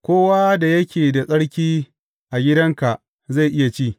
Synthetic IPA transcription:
kʷoː˦waː˦da˨jɐ˦kʲeː˨da˨sʼɐ˦ɽkʲiː˦ | ʔa˨ɡʲɪ˦dɐ˦ŋka˨ʔ | za˦˨jʔɪ˦ja˨t͡ʃiː˦˨

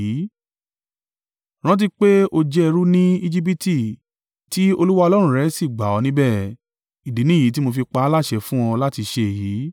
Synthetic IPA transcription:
i˨˦ | ɾ̃ã˦t̬i˧k͡pe˦o˧d͡ʒɛ˧ɾu˦nĩ˦i˧d͡ʒi˦p̬i˦ti˦˨ | ti˦o˧lu˦wa˦˧ɔ˧lɔ˦ɾ̃ũ˦˨˧ɾɛ˨˦si˦˨ɡ͡ba˨ɔ˧nĩ˦bɛ˦˨ | i˨di˨˦nĩ˦˨i˨˦t̬i˦mo˧fi˧k͡pa˧˦la˦˨ʃɛ˧fũ˦ɔ̃˧la˦ti˧ʃe˧e˨ji˨˦

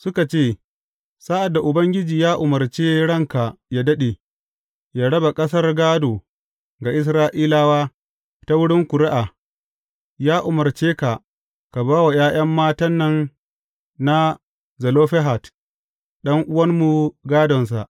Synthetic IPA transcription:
sʊ˦ka˨t͡ʃeː˦˨ | sa˦ʔa˨dːa˨ʔʊ˨bɐ˦ŋɡʲɪ˦d͡ʒiː˨jaː˦ʔʊ˨mɐ˨rt͡ʃeː˦ɽɐ˦ŋka˨jaː˦dɐ˦ɗe˨ | jaː˦ɽɐ˦ba˨kʼɐ˦s̬ɐ˦rɡaː˦doː˨ | ɡa˨ʔɪ˦s̬ɾaː˦ʔiː˦laː˦waː˦ | ta˦wʊ˦ɽɪ˦ŋkʷʊ˨ɾɪ˦ʔa˨ | jaː˦ʔʊ˨mɐ˨rt͡ʃeː˦ka˨ | ka˨baː˦wa˨j̰ʔaː˦j̰ɐ˦mːaː˦tɐ˦nːɐ˦ŋ | na˦ | zɐ˨loː˦ɸɛ˦ɦa˨t | ɗɐ˦ŋʔʊ˦wɐ˦rmu˨ɡaː˦dɔ˨ns̬a̰˨ʔ

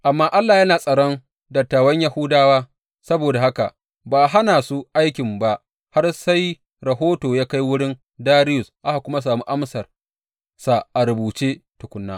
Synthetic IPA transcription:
ʔa˨mːaː˦ʔa˦lːaː˨jɐ˦naː˨sʼɐ˨ɽɔ˦n | dɐ˨tːaː˨wɐ˦ɲja˦hʊ˦daː˦waː˦ | sɐ˦boː˨da˨ha˦ka̰˨ | baː˨ɦa˦naː˨su˦ʔa˦jkʲɪ˨mba˦ʔ | ha˦rsa˦j | ɾɐ˨ɦoː˦toː˨jaː˦ka˦jwʊ˦ɽɪ˦n | daː˦ɾɪ˦jʊ˨sʔa˦ha˨kʷʊ˦ma˦s̬aː˨mu˦ʔa˦msɐ˨r | sa˨ʔa˨ɾʊ˨buː˨t͡ʃeː˦tʊ˨kʷʊ˨˦nːa̰ː˦

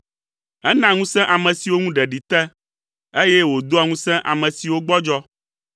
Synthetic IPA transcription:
ɛ˦nã˨ŋũ˦sɛ̃˦ʔa˨mɛ̃˨si˨wo˦ŋũ˦ɖɛ˨ɖi˨t̪ɛ˦ | e˦jɛ˦wo˨d̪o˦a˨ŋũ˦sɛ̃˦ʔa˨mɛ̃˨si˨wo˦ɡ͡bɔ˦d͡ʒɔ˦

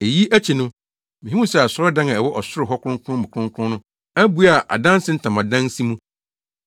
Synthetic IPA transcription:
e˨ji˦ʔæ˦t͡ɕʰi˨nʊ̃˦ | mĩ˨ɦĩ˦mũ˦sɛ˦a˨sʊ˦ɾɔ˦dã˦ŋã˨ɛ˨wɔ˦ʔɔ˨sʊ˦ɾɪ˨ɦɔ˦kʷʊ˦ʊ̃˦ŋ˦kʰʊ˦ʊ̃˦mʊ̃˨kʰʊ̃˦ŋ˦kʷʰʊ̃˦nʊ̃˦ | æ˦bu˨a˨ʔa̰˨dã˦n˦sɪ˦n̩˦tʰã˨mã˨dã˦n˦si˦mũ˦

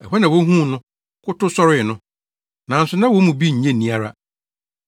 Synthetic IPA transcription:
ɛ˨ɦɛ˦nã˨wo˦ɦũ˦˨nʊ̃˦ | kʰʊ˦tʊ˦sɔ˦ɾɪ˦˨nʊ̃˦ | nã˨˦n̩˦sʊ˨nã˦wo˦mũ˨bi˦ɲ̩˨˦ẽ˦nĩ˦a˨ɾa˦

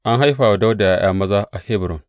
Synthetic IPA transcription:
ʔa˦ŋɦa˦jɸaː˨wa˨da˦wda˨ja˦j̰aː˦mɐ˦za˦ʔa˨he˦bɾʊ˨ŋ

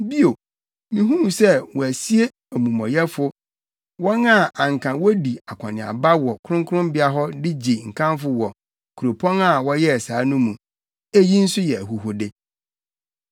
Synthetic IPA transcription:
bi˦o˨ | nĩ˨ɦũ˦m̃˨sɛ˦wɔ˨æ˨si˦e˦ | æ˨mũ˨mɔ̃˨jɛ˦fʊ˦ | wɔ̃˦na˦˨ã˨ŋ˨kʰã˨wɔ˦di˨a˨kʰa˨nɪ̃˨a̰˨ba˦wɔ˨kʰʊ˦ɾʊ̃˦ŋkʰʊ˦ʊ̃˦mbɪ˦a˦ɦɔ˦dɪ˦d͡ʑi˨ŋ̩˨kʰã˦mfʊ˦wɔ˨ | kʰu˨ɾo˨pʰɔ̃˦ŋa˦˨wɔ˦jɛ˦˨saː˨˦nũ˦mũ˨ | æ˦ji˦n̩˦sʊ˦jɛ˨æ˨ɦu˨ɦʊ˨dɪ˦

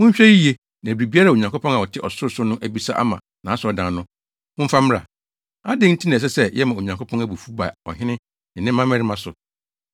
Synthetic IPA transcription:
ʊ̃˦ɕᶣɛ˦ji˦je˦ | nã˨bɾi˨bi˦a˦ɾa˦˨o˨ɲã˨ŋko˦pʰɔ̃˦na˨wɔ˨tʰɪ˦ʔɔ˨sʊ˦ɾsʊ˦nʊ̃˦ʔæ˨bi˦sa˦ʔa̰˦mã̰˨ | nã˨a˦sʊ˨ɔ˨dã˨nʊ̃˦ | wʊ̃˦m̩˦fa˦m˦ɾa̰˨ | a˦dɪ˦n̩˦tʰi˦nã˨s̬ɛ˦sɛ˦jɛ˦mã˨o˨ɲã˨ŋkʰo˦pʰɔ̃˦næ˦˨bu˨fu˦ba̰˨ɔ̰˨ɦɪ̃˦nɪ̃˦ | nɪ̃˨nɪ̃˦ã˦mɛ̃˦ɾɪ˦mã˦sʊ˨

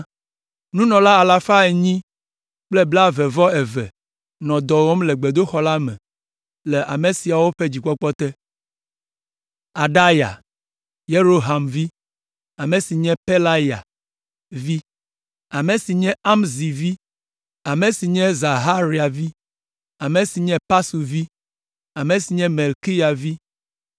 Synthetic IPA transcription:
nũ˦nɔ̃˨la˦a˨la˨fa˦e˨ɲĩ˦ | k͡plɛ˦bla˦vɛ˨vɔ˦ɛ˨vɛ̰˨ | nɔ̃˨d̪ɔ˨wo˦mle˨ɡ͡be˨d̪o˦xɔ˨˦la˦mɛ̰̃˨ | le˨ʔa˨me˨si˨a˨wo˦ɸe˦d͡ʑi˨k͡pɔ˦k͡pɔ˦t̪ɛ˦ | a˨ɖa˦ja̰˨ | je˦ɾo˦ɦa˨mvi˦ | a˨mẽ˨si˨ɲɛ̃˦pe˦la˦ja̰˨ | vi˦ | a˨mẽ˨si˨ɲɛ̃˦a˦mzi˨vi˦ | a˨me˨si˨ɲɛ̃˦za˨ɦa˦ɾi˦a˨vi˦ | a˨mẽ˨si˨ɲɛ̃˦pa˦su˨vi˦ | a˨mẽ˨si˨ɲɛ̃˦me˨lki˦ja˨vi˦

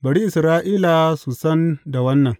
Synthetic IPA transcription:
bɐ˨ɽi˦ʔɪ˨sɾaː˦ʔiː˦la˨su˨sɐ˦nda˨wɐ˦nːɐ˨ŋ

